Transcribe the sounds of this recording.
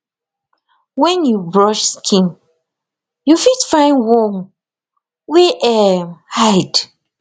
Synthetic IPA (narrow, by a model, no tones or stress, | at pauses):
wɛ̃njubɹɔʃskʰĩn | jufitfãɪ̃nwɔm | weʔɛmhaɪd